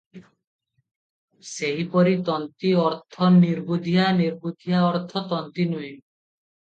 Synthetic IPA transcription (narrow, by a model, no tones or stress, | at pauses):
seɦipɔɾit̪ɔnt̪iɔɾt̪ʰɔniɾbud̪ʱiɦaniɾbud̪ʱijaɔɾt̪ʰɔt̪ɔnt̪inui